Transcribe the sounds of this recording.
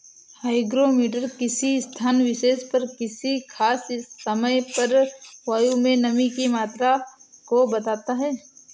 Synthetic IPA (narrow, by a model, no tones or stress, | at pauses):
haːɪɡɾomiːʈəɾkɪsist̪ʰaːnʋɪʃeːspɐɾkɪsikʰaːsɪsːɐməjpɐɾʋaːjumẽnɐmĩkimaːt̪ɾakobɐt̪aːt̪aɦɛː